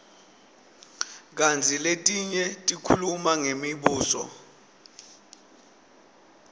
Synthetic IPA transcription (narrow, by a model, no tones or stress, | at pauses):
k̬ant͡sʰiletʼiɲɛtʼikʰulumaŋemiɓuːsɔ̰